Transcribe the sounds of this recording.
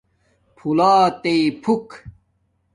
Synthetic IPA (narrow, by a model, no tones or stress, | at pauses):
pʰulaːt̪ejpʰuk